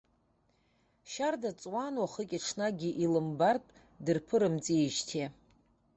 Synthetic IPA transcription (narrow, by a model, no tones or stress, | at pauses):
ʃardat͡sʼwanwaχəkʲʼaʈ͡ʂʰnaɡʲiʔilɨmbartʼ | dɨrpʰɨɾɨmt͡sʼieʒtʰe